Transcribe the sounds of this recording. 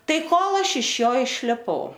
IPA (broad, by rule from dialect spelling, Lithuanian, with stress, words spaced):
ˈtɐɪ ˈkoːlˠ ˈɐʃ ɪʃ ˈjoː ɪʃʲlʲɪˈpɐʊ